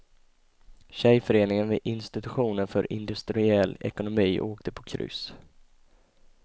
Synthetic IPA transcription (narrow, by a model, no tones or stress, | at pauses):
ɕɛjfœɾeːnɪŋənvɛʔɪnst̪ɪt̪ɵɧuːnənfœɾʔɪ̰nd̪ɵst̪ɾɪɛlːɛ̰kʊnʊmiːʔoːkt̪ʰəpʰɔkʰɾʏ̰ːs